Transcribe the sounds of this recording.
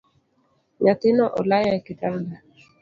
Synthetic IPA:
ɲat̪ɪnɔʔɔlajakɪtanda

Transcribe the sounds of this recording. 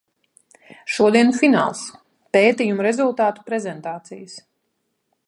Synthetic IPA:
ʃuɔd̪iɛnufina̰ːlˠs | peːt̪ijumuɾɛzulˠt̪aːt̪u̥pɾɛzɛnt̪aːt̪sḭjəs

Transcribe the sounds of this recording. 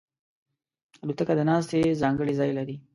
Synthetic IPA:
alut̪əkad̪ənɑs̬t̪ezɑŋɡəɽizɑjlaɾi

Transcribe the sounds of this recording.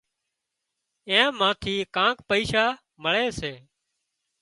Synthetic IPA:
ẽːmãːt̪ʰiːkãːkpəiːʃaː | məɭeːseː

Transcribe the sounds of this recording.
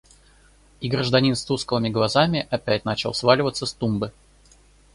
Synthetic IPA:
iɡɾəʐd̪ɐnʲinst̪uskəvəmʲɪɡlˠɐzamʲɪʔɐpʲætʲnat͡ɕɪlˠsvalʲɪvət̪səst̪umbɨ

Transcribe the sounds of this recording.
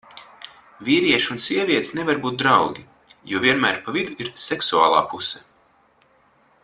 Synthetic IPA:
vʲiːɾiɛʃunsʲiɛvʲiɛt̪snevaɾbuːt̪̚d̪ɾawɡʲi | juɔvʲiɛnmæ̰ːɾpavid̪uiɾsɛksua̰ːlˠa̰ːpusɛ̥

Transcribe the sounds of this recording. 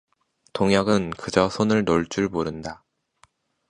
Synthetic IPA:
toŋjʌɡɯnkɯd͡ʑʌsʰonɯɭnoɭt͡ɕ͈uɭmoɾɯnda

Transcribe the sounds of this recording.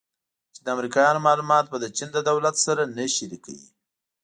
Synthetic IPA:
t͡ʃed̪əamɾikɑjɑnomɑlumɑt̪̚bəd̪ət͡ʃind̪əd̪awlat̪saɾanəʃiɾika̰wḭ

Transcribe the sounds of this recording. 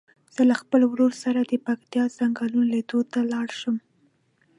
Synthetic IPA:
z̥əlaxpəlwɾoɾsaɾad̪əpakt̪jɑz̥aŋɡɑlunoled̪ot̪alɑɽʃəm

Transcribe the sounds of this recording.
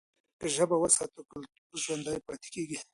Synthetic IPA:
kəʒəbawəsɑt̪əkəl | ʒwand̪ɑjepɑt̪e̥keɡi

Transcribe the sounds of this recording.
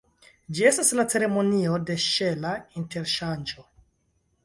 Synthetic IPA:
d͡ʒie̞staslat͡se̞ɾe̞mo̞nio̞de̞ʃe̞lainte̞ɾʃand͡ʒo̞

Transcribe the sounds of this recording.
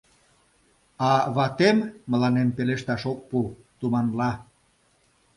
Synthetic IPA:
ɑβɑt̪emːə̆lɑnempeleʃt̪ɑʃok̚pu | t̪umɑnlɑ

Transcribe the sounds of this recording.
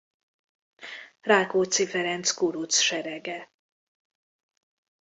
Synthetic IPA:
raːkoːt̪sifɛɾɛnt̪skuɾut̪sʃɛɾɛɡɛ

